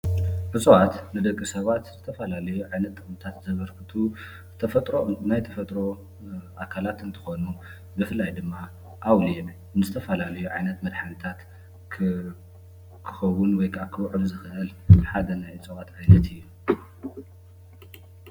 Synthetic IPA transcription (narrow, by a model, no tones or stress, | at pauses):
ʕɨt͡sʼuwat̪nɨd̪ɐkʼːisɐβat̪zɨt̪ʰɐfɐlalɐjuʕajnɐt̪ːʼɨxmɨt̪ʰat̪zzɐβɐɾkɨt̪ʰu | t̪ʰɐfɐt̪ʼɾonajt̪ʰɐfɐt̪ʼɾo̞ | ʔakʰalat̪ɨnt̪ʰɨ̥xo̞nu | bɨfɨlːajd̪ɨmːa | ʔawlijɛm | ɨzɨt̪ʰɐfɐlalɐjuʕajnɐt̪mɐd̪ħanɨt̪ʰat̪ | kʰɨ̥xɐwʊnwɔjkʰakʰɨwʕɨlzɨxɨʔɨlɨħad̪ɐnajʕɨt͡sʼuwat̪ajnɐt̪ɨjːu